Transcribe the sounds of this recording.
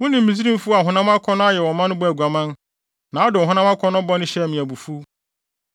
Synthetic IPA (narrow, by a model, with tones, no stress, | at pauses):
wʊ̃˦nɪ̃˨m̩ː˦mĩ˨zi˦ɾĩ˦m̩˦fu˦a˨ɦʊ̃˨nã˦ma˦kʰɔ˦nʊ̃˦a˦jɛ˨wɔ˨mã˦n˦bʊ˦æ˨ɡʷa˨mã˦n | nã˨ɔ˦dʊ˨ɔ˨ɦʊ̃˨˦nã˦ma˦kʰɔ˦nʊ̃˦bɔ˦nʊ̃˦ɕɛ˦˨mĩ˨æ˨bu˨fu˦